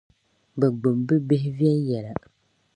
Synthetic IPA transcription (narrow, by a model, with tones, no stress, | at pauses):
bɛ˨ɡ͡bʊ˨mbɨ˦bɪ˦hɪ˦vi˦ɛ˦njɛ˨la˨